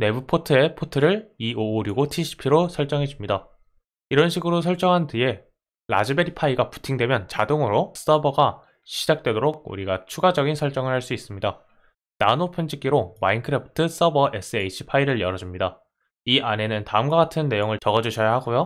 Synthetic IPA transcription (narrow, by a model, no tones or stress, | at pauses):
ne̞bɯpʰotʰɯe̞pʰotʰɯɾɯɭioːɾjuɡotʰiɕʰi̥pʰiɾosʰʌɭt͡ɕ͈ʌŋɦe̞d͡ʑumɲida | iɾʌnɕʰiɡɯɾosʰʌɭt͡ɕ͈ʌŋɦantie̞ | ɾa̰d͡ʑibe̞ɾipʰaiɡapu̥tʰiŋdwe̞mjʌnt͡ɕadoŋɯɾosʰɯ̥tʰʌbʌɡa | ɕʰid͡ʑak̚t͈we̞doɾoɡ̚ṵɾiɡat͡ɕʰuɡad͡ʑʌɡinsʰʌɭt͡ɕ͈ʌŋɯɭhaɭs͈uis͈ɯmɲida | nanopʰʌnd͡ʑik͈iɾomainkʰɯɾepʰɯ̥tʰɯs͈ʌbʌʔe̞s͈ʰɯet͡ɕʰi̥pʰaiɾɯɭjʌɾʌd͡ʑumɲida | iʔane̞nɯntaɯmɡwak͈atʰɯnːe̞joŋɯɭt͡ɕʌɡʌd͡ʑuɕʰʌjaɦaɡojo